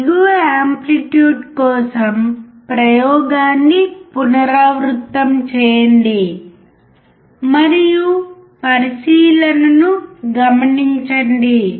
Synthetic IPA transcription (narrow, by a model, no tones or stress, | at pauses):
ɡuʋɐaːmpliʈjuːɖkɔːsɐmpɾɐjɔːɡaːnːipunɐɾaːʋɾut̪ːɐmt͡ʃɛːjɐɳɖi | mɐɾiju | pɐɾisiːlɐnɐnuɡɐmɐniɲt͡ʃɐɳɖi